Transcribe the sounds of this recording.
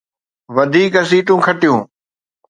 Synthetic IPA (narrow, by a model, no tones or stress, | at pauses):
ʋɐd̪ʱiːkɐs̬iːʈũːkʰɐʈijũː